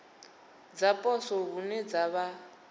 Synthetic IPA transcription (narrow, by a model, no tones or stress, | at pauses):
d͡zapʼɔsɔβunɛd͡zaβa